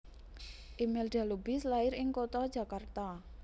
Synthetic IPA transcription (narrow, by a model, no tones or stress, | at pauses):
ʔimɪlɖ̥a̤lubɪ̤slaɪɾɪŋkot̪ɔd̥ʒ̥ä̤kart̪a